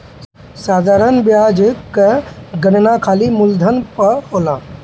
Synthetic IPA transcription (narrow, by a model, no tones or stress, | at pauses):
saːd̪ʱaːɾənbjaːd͡ʒkɡənnakʰaːlimʊld̪ʱənpəhoːlãː